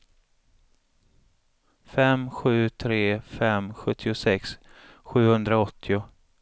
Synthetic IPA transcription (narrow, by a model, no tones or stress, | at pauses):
fɛmɧʉ̟ːt̪ʰɾeːfɛmɧɵt̪ʰːɪʊsɛks | ɧʉ̟ːhɵnd̪ɾaɔt̪ʰːɪʊ